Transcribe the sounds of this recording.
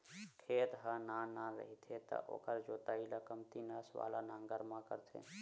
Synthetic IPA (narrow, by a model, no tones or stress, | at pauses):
kʰeːt̪ɦənanaɾə̰ɦit̪ʰet̪ə̰ʔo̰ːkəɾd͡ʒoːt̪aːiləkəmt̪inəsʋa̰ːlanaŋɡəɾmãkəɾt̪ʰḛ̃